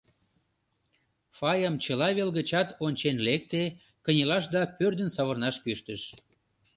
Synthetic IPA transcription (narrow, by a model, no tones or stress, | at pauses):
fɑjəmt͡ɕəlɑβelɣət͡ɕɑt̪onʲt͡ɕenlek̚t̪e | kə̆nʲilɑʃ̬d̪ɑpørd̪ə̆nsɑβərnɑʃpyʃt̪əʃ